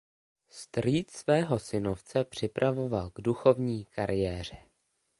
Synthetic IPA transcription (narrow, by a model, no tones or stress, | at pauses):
st̪riːt̪svɛːɦo̞sɪnoft͡sɛpr̝̥ɪpɾʔavo̞valɡduxo̞vɲiːkaɾʔɪjɛːr̝ɛ